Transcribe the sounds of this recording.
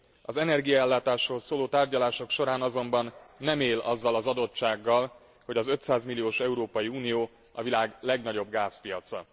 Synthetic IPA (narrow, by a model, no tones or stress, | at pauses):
ɒzɛnɛrɡijɒɛlːaːt̪aːʃroːlsoːloːt̪aːrɟɒlaːʃo̞kʃo̞ɾaːnɒzo̞mbɒnːɛmeːlʔɒzːɒlɒzɒd̪o̞t͡ʃt͡ʃaːɡːɒl | ho̞ɟɒzø̞t̪saːzmilːijoːʃɛuɾoːpɒjiuːnijoː | ɒvilaːɡlɛɡnɒɟo̞bɡaːspijɒt̪sɒ̰